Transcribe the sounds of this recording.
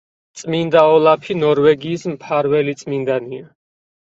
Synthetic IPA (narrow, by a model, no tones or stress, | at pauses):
t̪sʼmind̪aɔlˠapʰinɔɾvɛɡiːsmpʰaɾvɛlit̪sʼmind̪ania